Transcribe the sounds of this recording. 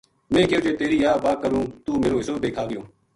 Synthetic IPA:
mẽːkeʊd͡ʒeːt̪eːɾiːjaːbaːkəɾũːt̪uːmeːɾoːɪsoːbeːkʰaːɡɪjoː

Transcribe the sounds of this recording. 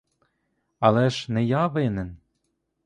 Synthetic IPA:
ɑlæʃnɘ̆jɑβenɘ̆n

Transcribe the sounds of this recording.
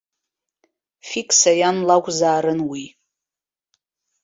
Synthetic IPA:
fikʼʰsajanlakʷʼzaːɾɨnwi

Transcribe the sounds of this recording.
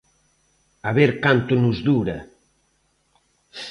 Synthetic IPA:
aβeɾkant̪unuzðuɾɐ

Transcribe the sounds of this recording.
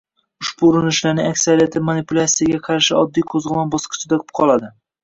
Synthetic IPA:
ʊʃbuːɾɪnɪʃlaɾnɪŋakʲsaɾijat̪ʰɪmanipʊlʲat̪sijaɡʲaqʰɑɾʃɪɒd̪ːijqʰozʁɨmanbɒsqɨ̥t͡ʃʰɪd̪aqʰʊ̥p̚qʰɒlˠad̪ɪ

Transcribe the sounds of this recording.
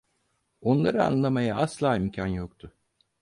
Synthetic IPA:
o̞nlˠaɾɯa̰nlˠamajaaslˠaːimcʰanjokt̪ʰʊ

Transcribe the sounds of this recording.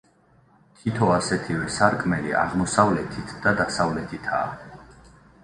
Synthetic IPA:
t̪ʰit̪ʰɔasɛt̪ʰivɛsaɾkʼmɛlḭa̰ʁmɔsavlɛt̪ʰit̪ʰd̪̥ad̪asavlɛt̪ʰit̪ʰa̰ː

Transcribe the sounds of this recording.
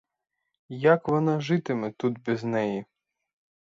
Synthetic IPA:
jakʋɔnɑʒɪt̪ɪmɛt̪ud̪̚bʲiznɛji

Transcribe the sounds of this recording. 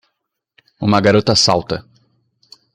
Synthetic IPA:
ũmɐɡaɾot̪ɐsawt̪ɐ

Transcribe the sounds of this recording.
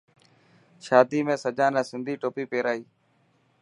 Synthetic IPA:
ʃaːd̪iːmẽːsəd͡ʒãːnɛ̃ːsɪnd̪ʱiːʈoːpiːpeːɾaːiː

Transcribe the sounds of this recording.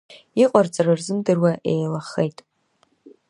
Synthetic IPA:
iqʼart͡sʼararzɨmdɨrwaʔejlaχejtʼ

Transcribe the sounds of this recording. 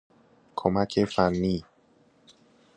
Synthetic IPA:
kʰɔmakʰefanːi

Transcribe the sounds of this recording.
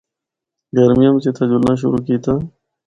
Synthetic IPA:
ɡəɾmijəmt͡ɕeːt̪ʰãd͡ʑulãːɕ̬ʊ̰ɾuːkiːt̪ãː

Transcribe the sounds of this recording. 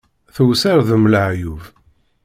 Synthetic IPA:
θəwsəɾðəmləʕjuv

